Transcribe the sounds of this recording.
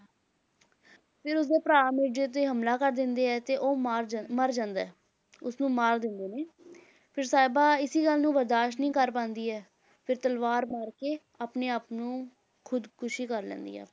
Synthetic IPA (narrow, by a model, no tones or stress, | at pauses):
pʰɪɾʊsd̪eːpɾaːmed͡ʒeːt̪̬eːɦəmlaːkəɾd̪ɪnd̪eːɛːt̪eːʔoːɾməɾd͡ʒãːnd̪aɛː | ʊsnũːmaːɾd̪ɪnd̪eːneː | pʰɪɾsaːɪbaːɪsiːɡəlːnũːbəɾd̪aːʃʈnĩːkəɾpãːnd̪iːɛː | pʰɪɾt̪əlʋaːɾmaːɾkeː | aːpneːaːpnũː | kʰʊd̪kʰʊʃiːkəɾlɛ̰̃ːnd̪ḭːɛ̰ː